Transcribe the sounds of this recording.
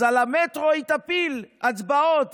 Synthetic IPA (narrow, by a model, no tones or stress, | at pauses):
alamet̪ʁoit̪apilat͡sbaot̪